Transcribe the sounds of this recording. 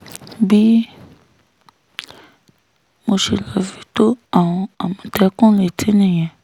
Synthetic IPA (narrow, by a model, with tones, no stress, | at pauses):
bi˦ | mo˧ʃi˨la˧fi˧˦to˦a˨w̃ɔ̃˧a˨mɔ̃˧tɛ˧˦kũ˦le˨tʰi˨˦nĩ˦˨j̃ɛ̃˨